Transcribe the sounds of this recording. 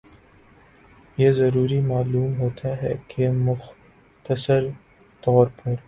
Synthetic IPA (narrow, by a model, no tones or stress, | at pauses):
jeːzɐɾuːɾimaːluːmɦoːt̪ʰaɦɛːkʰemʊx | t̪əsəɾ | t̪ɔːɾpɐɾ